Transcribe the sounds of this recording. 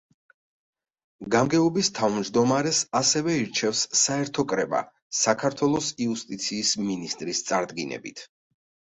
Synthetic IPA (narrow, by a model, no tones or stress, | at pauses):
ɡamɡɛɔbist̪ʰavmd͡ʒd̪ɔmaɾɛsasɛvɛiɾt͡ʃʰɛfsːaɛɾt̪ʰɔkʼɾɛba̰ | sakʰaɾt̪ʰwɛlˠɔsiust̪ʼit̪sʰiːsminist̪ʼɾist̪sʼaɾd̪ɡinɛ̰bḭt̪ʰ